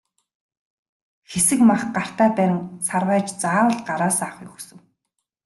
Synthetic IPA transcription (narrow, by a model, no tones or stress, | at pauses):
xesɘ̆kmaχɢar̥t̪æːpæːnsarwæːt͡ɕt͡saːwə̆ɮɢaɾaːsaːχjɵxsɵ̆w